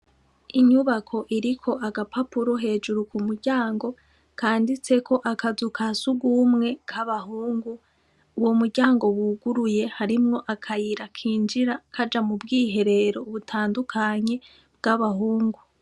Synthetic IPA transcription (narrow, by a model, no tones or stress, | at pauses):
iɲuβakʰo̞ʔiɾikʰo̞ʔaɡapapuɾo̞ɦe̞ːd͡ʒuɾukumuɾɟaːŋɡo̞ | kaːndit͡se̞kʰo̞ʔakazukʰasuɡumŋe̞kaβahuːŋɡu | womuɾɟaːŋɡo̞wuɡuɾuje̞haɾimŋo̞ʔakʰajiɾakʰiːnd͡ʒiɾakʰad͡ʒamubɡiːɦe̞ɾe̞ɾo̞uβutʰaːndukʰaɲe̞ | b̥ɡaβaɦuːŋɡu